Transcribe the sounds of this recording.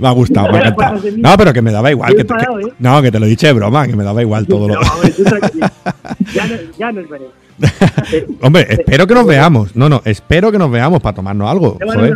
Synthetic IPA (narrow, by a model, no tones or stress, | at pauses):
maɣust̪a̰wmãŋkant̪awnope̞ɾo̞ke̞me̞ðaβaiɣwa̰lket̪knõke̞t̪e̞loðit͡ʃe̞βɾo̰make̞me̞ðaβaiɣwalt̪oðolo | o̞mbɾe̞ʔespe̞ɾok̬e̞no̞zβe̞amosnõnõ̞ʔe̞spe̞ɾoke̞no̞zβe̞amospat̪o̞ma̰ɾnosalɣosaβe